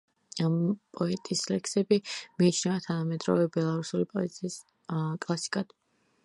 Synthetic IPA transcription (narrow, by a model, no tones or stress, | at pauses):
ampʼɔɛt̪ʼislɛksɛbimiːt͡ʃʰnɛvat̪ʰanamɛd̪ɾɔ̰vɛbɛlˠaɾusulipʼɔit̪sʰʼiːs | kʼlˠasi̥kʼad̪̥